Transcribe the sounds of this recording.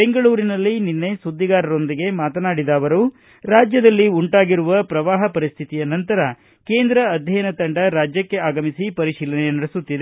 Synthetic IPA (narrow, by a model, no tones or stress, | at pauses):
be̞ŋɡɐɭuːɾinɐlːininːe̞sud̪ːiɡaːɾɐɾo̞nd̪iɡe̞maːt̪ɐnaːɽid̪aːʋɐɾu | ɾaːd͡ʒjɐd̪ɐlːiuɳʈaːɡiɾuʋɐpɾɐʋaːɦɐpɐɾist̪ʰit̪ijɐnɐnt̪ɐɾɐ | ke̞ːnd̪ɾɐːd̪ʱjɐjɐnɐt̪ɐɳɖɐɾaːd͡ʒjɐkːe̞aːɡɐmisipɐɾiʃiːlɐnɛjɐnɐɽesut̪ːid̪e